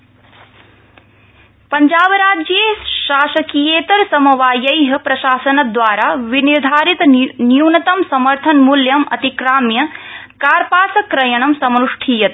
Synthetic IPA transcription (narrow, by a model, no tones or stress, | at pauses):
pɐɲd͡ʒaːbɾaːd͡ʒjeːʃaːʃɐkijeːt̪ɐɾsɐmɐʋaːjɐjɦɐpɾɐʃaːsɐnɐd̪ʋaːɾaːʋiniɾd̪ʱaːɾit̪njuːnɐt̪ɐmsɐmɐɾt̪ʰɐnmuljɐmɐ̰t̪ikɾaːmjɐkaːɾpaːsɐkɾɐjɐɳ̃ɐmsɐmnuʂʈʰiːjɐt̪̚